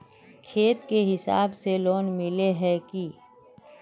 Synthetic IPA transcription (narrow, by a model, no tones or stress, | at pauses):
kʰeːt̪keɦɪsa̰ːbseloːnmɪleɦɛki